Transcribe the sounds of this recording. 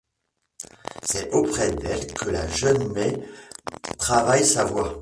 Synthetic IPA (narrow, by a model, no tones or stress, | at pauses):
sɛopχɛd̪ɛlkʰəla̰ʒənmɛ | t̪χavajsavwa